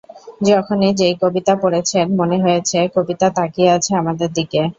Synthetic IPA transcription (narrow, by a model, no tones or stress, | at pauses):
d͡ʑɔkʰonid͡ʑejkobit̪apoɽet͡ɕʰenmoneɦoet͡ɕʰekobit̪at̪akiat͡ɕʰeamad̪eɾd̪ike